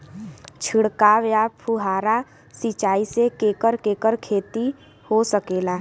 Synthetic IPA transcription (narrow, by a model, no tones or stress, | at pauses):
t͡ʃʰɪɽkaʋjaːpʰuɦaːɾa | sit͡ʃaːisekeːkəɾkeːkəɾkʰeːt̪i | hosəkeːlaː